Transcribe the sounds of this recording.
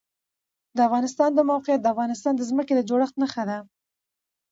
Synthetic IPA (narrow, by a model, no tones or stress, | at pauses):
d̪əafɣɑnɪst̪ɑnd̪əmawqjat̪̚d̪əafɣɑnɪst̪ɑnd̪əzməked̪əd͡ʒoɽəxt̪naxad̪a